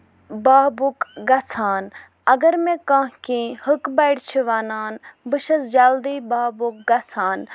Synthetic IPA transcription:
baːbukɡɐt͡sʰaːn | ɐɡɐɾmẽkãːɦkĩːhɨkbɐjɽt͡ʃʰiʋaːnaːnbɨʃɐzd͡ʒald̪iːbaːbuk̚ɡɐt͡sʰaːn

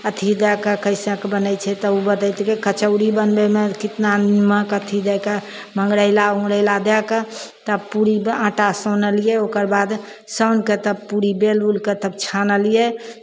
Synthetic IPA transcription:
ət̪ʰid̪ɛkəkəɪsə̃kbənəjt͡ʃʰɛt̪ɔubəd̪əɪt̪kekət͡ʃəʊɽibənbemekit̪nanməkət̪ʰid̪ɛke | məŋɡɽəɪlaũɽəɪlad̪ɛket̪əbpuɾibãːʈasənəlijɛokəɾbad̪ | sənket̪əb̚puɾibelulket̪əb̚t͡ʃʰanəlije

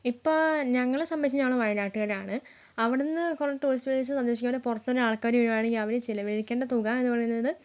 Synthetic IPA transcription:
ipːoːɭɲɐŋːɐɭesɐmːet͡ɕːiɲaːɭuʋɐjɐnaːʈːɨɣɐɾaːɳɨ | ɐʋiɽenːɨkorɐʈːoːlisʋɐdet͡ɕːɨsɐnd̪e̞ːɕikʲːaːɳːepurɐt̪ːoɾuaːɭkaːɾʋiɻɐmaːɳeŋɡilɐʋiɾet͡ɕilɐʋeɻikʲːeːɳɖɐt̪uɣamenːupɐrɐjunːɐðɨ

